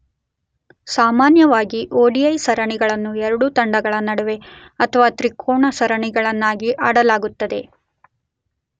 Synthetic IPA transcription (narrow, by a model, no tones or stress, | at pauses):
saːmaːnjɐʋaːɡiʔoːɖiɐjsɐɾɐɳiɡɐɭɐnːuɛɾɐɽut̪ɐɳɖɐɡɐɭɐnɐɽɐʋe̞ | ɐt̪ʰɐʋaːt̪ɾikʰːoːɳɐsɐɾɐɳiɡɐɭɐnːaːɡiʔaːɽɐlaːɡut̪ːɐd̪e̞